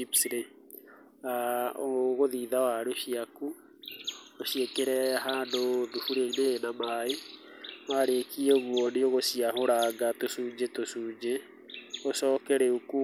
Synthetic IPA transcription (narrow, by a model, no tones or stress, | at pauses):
ipsɾe | aoɣoðiːðawaɾoɕiaku | oɕiekeɾɛɦaːndoðufuɾeineːnamae | maɾekiɛɣwɔneoɣosiaɦoɾaŋɡatosuːd͡ʑetosuːd͡ʑe | osɔːkɛɾɛuku